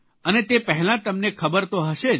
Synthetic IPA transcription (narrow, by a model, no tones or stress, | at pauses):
ənet̪epəɦɛlãt̪əmnekʰəbəɾt̪oɦəʃe